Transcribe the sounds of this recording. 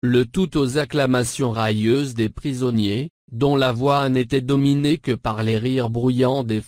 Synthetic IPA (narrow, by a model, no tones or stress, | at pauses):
lət̪ut̪ozaklamasjɔ̃ʁajøzd̪epχizɔnje | d̪ɔ̃lavwanet̪ɛd̪ɔminekəpaʁleʁiʁbʁujɑ̃d̪e